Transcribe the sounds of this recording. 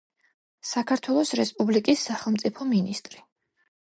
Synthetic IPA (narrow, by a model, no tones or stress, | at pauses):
sakʰaɾt̪ʰwɛlˠɔsɾɛspʼublikʼisːaχɛlˠmt̪sʼipʰɔminist̪ʼɾi